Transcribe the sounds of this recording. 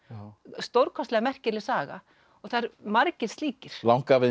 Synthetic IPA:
st̪owɾkʰɔst̪lɛːɣamɛr̥cɪɾlɪsaːɣa̰ | ɔɣθaɾmaɾcɪ̥st̪liːcɪɾ̥lawŋkavɪ

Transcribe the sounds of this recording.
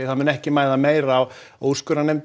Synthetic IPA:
ɪθanmʏnɛhcɪmaːjðameːjɾːwoːwskʏɾanejmt̪

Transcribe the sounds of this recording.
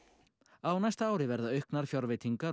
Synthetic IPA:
awnajst̪aaːwɾɪvɛɾðaœɥhknaɾ̥fjaɾvɪt̪ʰiŋkaɾ

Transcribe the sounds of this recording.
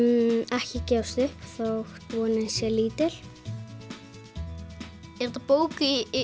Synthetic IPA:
ɛhcɪcɛːwst̪ʏhpθoxt̪vɔːnɪnsjɛliːt̪ɪl̥ | ɛɾt̪apoːwkɪ

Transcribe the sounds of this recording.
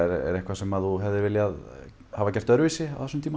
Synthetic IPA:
ɛɾɛ̰ɾɛhkvasɛmaðθuɦɛvðɪɾvɪljað | havacɛr̥t̪œɾvɪsɪawθɛsʏmt̪ʰiːma

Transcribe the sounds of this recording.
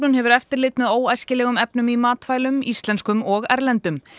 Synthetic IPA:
nʏnhɛvʏɾɛft̪ɪɾlɪːt̪mɛðoːwajscɪlɛːɣʏmɛpnʏmimaːt̪fajlʏmist̪lɛnskʏmɔɣɛ̰ɾlɛnt̪ʏm

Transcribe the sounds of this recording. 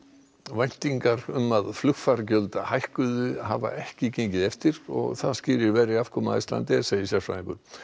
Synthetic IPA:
vajn̥t̪iŋkaɾʏmːaðflʏxfaɾcœlt̪ahajhkʏðʏhava̰ʔɛhcɪcejɲcɪðɛft̪ɪɾɔ̰ɣθaðscɪːɾɪɾvɛːɾɪafkʰɔmaast̪la̰nt̪ɛseːjɪsjḁsfa̰ðɪ̃ŋkʏɾ̥

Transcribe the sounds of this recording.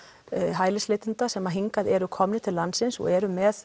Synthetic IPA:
ɦaːjlɪslɪːt̪ʏnt̪asɛmːaɦiŋkaðɛɾʏkʰɔmnɪt̪ʰɪlːansɪnsɔ̰ɣɛɾʏmɛθ

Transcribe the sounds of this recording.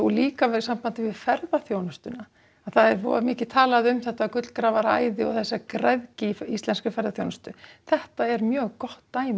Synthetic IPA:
ɔliːkavɛ̥sam̥pant̪ɪvɪðfɛɾðaθjoːwnast̪ʏna | aðθaðɛɾvɔ̰ɾamɪːcɪt̪ʰaːlaðɪʏmθɛht̪akʏt̪lkɾaːvaɾaːjðɪɔɣθɛsːakɾɛðcɪfist̪lɛnskʏfɛɾðaθjownʏst̪ʏθɛht̪aɛɾmjœːɣkɔht̪ːaːjm

